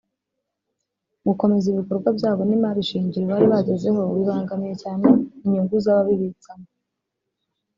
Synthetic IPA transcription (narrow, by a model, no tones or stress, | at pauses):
muko̞me̞ziβiko̞ɾɡwabjaːβo̞nimaɾiʃiːɲɟiɾiβaːɾiβaɟe̞ze̞ɦo̞βiβaːŋɡamije̞caːneiɲuŋɡuzaβaβiβit͡samo